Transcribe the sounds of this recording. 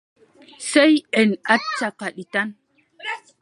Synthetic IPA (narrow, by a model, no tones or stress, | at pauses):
sejɛnat͡ʃːakaɗitan